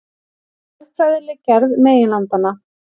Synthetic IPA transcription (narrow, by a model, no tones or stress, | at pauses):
ɛɾfɾajðɪlɪcɛɾðmeːjɪnlant̪anːa